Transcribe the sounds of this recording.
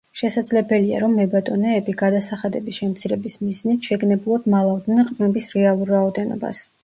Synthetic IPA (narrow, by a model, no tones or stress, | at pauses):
ʃɛsad̪zlɛbɛlia̰ɾɔmːɛbat̪ʼɔnɛːbiɡad̪asaχad̪ɛbisʃɛmt̪sʰiɾɛbismiznit̪ʰʃɛɡnɛblˠɔd̪malˠavd̪nɛnqʼmɛbisɾɛalˠuɾaɔd̪ɛnɔ̰ba̰s